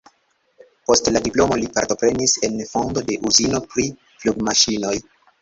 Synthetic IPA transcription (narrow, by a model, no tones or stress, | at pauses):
po̞stladiplo̞mo̞lipa̰ɾto̞pɾe̞nise̞nfo̞ndo̞de̞ʔuzino̞pɾi | fluɡmaʃino̞j